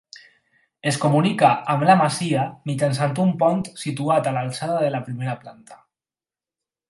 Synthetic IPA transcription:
eskomunikaːmlamasiamit͡ʃansant̪umpɔnt̪sit̪uat̪alalsaðaðelapɾimeɾaplant̪ḁ

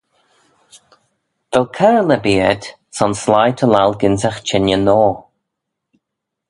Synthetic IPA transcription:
v̥ɛlkʰɛɹləbiəd | sɔnslajtʰəlalˠɡɪntaxt͡ʃʰɛnjənɔː

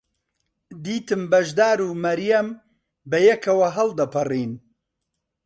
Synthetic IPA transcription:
d̪iːt̪ɨmbɐʒd̪aːɾuːmɐɾjɐm | bɐjɛkʰɐwɐɦɐld̪ɐpʰɨriːn

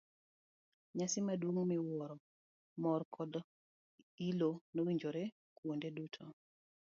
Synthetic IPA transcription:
ɲasɪmadwoŋmɪwɔɾɔ | mɔrkʰɔd | ilonowiɲd͡ʒoɾe | kwondedutʰo

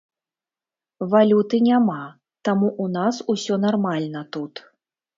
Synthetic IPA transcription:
valʲut̪ɨnʲama | t̪amuʔun̪asusʲɔnarmalʲnɐt̪ut̪

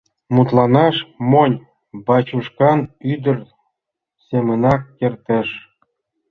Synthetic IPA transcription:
mut̪lˠɑnɑʃmonʲ | bɑt͡ɕuʃkɑnyd̪ə̆r | semə̆nɑkːert̪ĕʃ

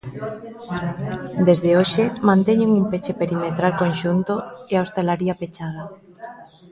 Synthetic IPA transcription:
d̪ezðeoʃemãnt̪eɲuŋumpet͡ʃepeɾimet̪ɾalkonʃunt̪oeaost̪elaɾiapet͡ʃað̞a

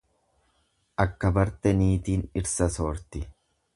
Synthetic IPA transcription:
ʔɐkːɐbɐɾt̪ɛniːt̪iːnɪɾsɐsoːɾt̪ɪ

